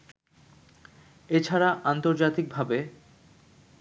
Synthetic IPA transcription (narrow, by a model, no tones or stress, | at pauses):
et͡ɕʰaɾaʔant̪oɾd͡ʑat̪ik̚bʱabe